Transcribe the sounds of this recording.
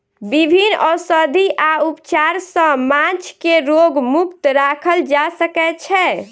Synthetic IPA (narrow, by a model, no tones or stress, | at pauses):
bibʱinɔsəd̪ʱiʔaupt͡ʃaɾsə̃mãt͡ʃkeɾoɡmukt̪ɾakʰəld͡ʒasəkɛt͡ʃʰɛ